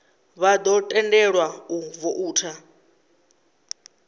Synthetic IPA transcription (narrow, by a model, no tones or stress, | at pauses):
βad̪ɔtʼɛndɛɺwauvɔʔuːtʰa